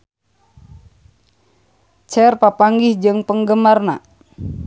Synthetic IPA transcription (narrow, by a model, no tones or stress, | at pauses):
t͡ʃɛrpapaŋɡihd͡ʒɨŋpəŋɡəmarna